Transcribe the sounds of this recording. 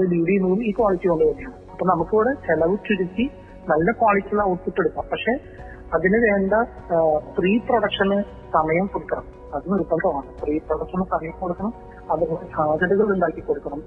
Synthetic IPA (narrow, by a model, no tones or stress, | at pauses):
ɐðɨliːɽinuːliːkwaːɭit͡ɕːijoɳɖɨʋɐnːijaːɳɨɐpːoːnɐmukːuːɽet͡ɕelɐʋutːiɾukʲːi | nɐlːɐkwaːɭit͡ɕːɐlɐwʈpiʈːeɽukːaːmpɐkʂe̞ː | ɐðinɨʋeːnd̪ɐ | friːproɽɐkʂɐnɨ | sɐmɐjɐmkoɽukːɐɳɐm | ɐðinupːɐnd̪ɐmaːɳɨfriːproɽɐkʂɐnɨsɐmɐjɐmkoɽukːɐɳɐm | ɐðɨsaːd̪ʱɐðɐɣɐɭuɳɖaːkːikoɽukːɐɳɐm